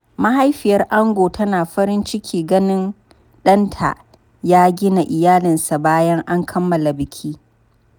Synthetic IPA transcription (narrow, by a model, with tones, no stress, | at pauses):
ma˦ɦa˦jɸɪ˨jɐ˦rʔa˦ŋɡʷoː˨tʰɐ˦naː˨ɸɐ˦ɾɪ˦nt͡ʃɪ˦kʲʰiː˨ɡɐ˦nɪ˦n | ɗɐ˦ntʰa̰˨ | jaː˦ɡʲɪ˦na˨ʔɪ˨jaː˦lɪ˨nsa˨baː˦jɐ˦ŋʔa˦ŋkʰɐ˦mːɐ˨la˨bɪ˨kʲʰiː˦